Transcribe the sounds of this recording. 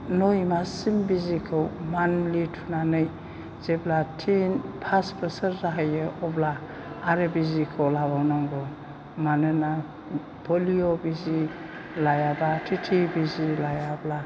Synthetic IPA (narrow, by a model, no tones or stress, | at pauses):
nojmasimbizikʰɯwmanlitʰunanɯj | zeblatʰinpʰaspɾəsəɾːaɦajɯʔɔblaː | ɾebizikʰɯwlabawnaŋɡɔ | manɯna | pʰɔliobizi | lajabatʰitʰibizilajabla